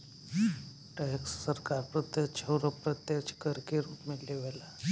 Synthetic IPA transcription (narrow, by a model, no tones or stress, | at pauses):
ʈɛksːəɾkaɾpɾət̪jət͡ɕʰəwɾəpɾət̪jət͡ʃkəɾkeɾuːpmilːeʋɛla